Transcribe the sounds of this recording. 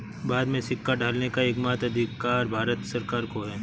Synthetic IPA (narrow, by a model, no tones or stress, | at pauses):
baːd̪mẽsɪkːaɖʱaːlnekaekmaːt̪ɐd̪ʱɪkːaːɾbʱaːɾət̪sɐɾkaːɾkoɦɛː